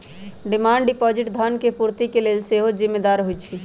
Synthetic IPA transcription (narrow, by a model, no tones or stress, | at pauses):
ɖimaːɳɖɖipɔːd͡ʒɪʈd̪ʱənkepuɾt̪ikeleːlseɦod͡ʒimːed̪aɾɦojt͡ʃʰi